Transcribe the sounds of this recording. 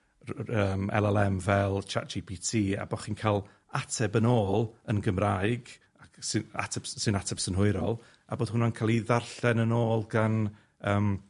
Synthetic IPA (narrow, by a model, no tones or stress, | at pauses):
əːmɛ̰lˠɛlˠɛmvɛlˠt͡ʃʰa̰t̚d͡ʒipʰitʰiːa̰bɔχinkʰalˠ | atʰɛbənoːlˠənɡəmrajɡ | aksɪa̰tʰɛbsɪnatʰɛpsənɦʊɨɾɔlˠ | a̰boːd̥hʊnankʰaːlˠiðarɬɛnənoːlˠɡan | əːm